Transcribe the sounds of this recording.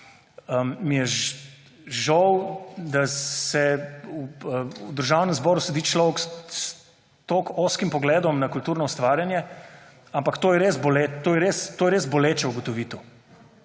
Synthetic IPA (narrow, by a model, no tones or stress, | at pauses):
əmmijɛʒ | ʒɔwd̪asɛuəd̪əɾʒawnɛmzbɔːɾusɛd̪it͡ʃlɔwkss | t̪oːkoːskimpɔɡlɛːd̪ɔmnakult̪uːɾnɔust̪ʋaːɾjanjɛ | ampakt̪oːjɛɾeːzbolet̪ːoːjɛɾest̪oːjɛɾeːzbɔleːt͡ʃɛuɡɔt̪ɔʋiːt̪o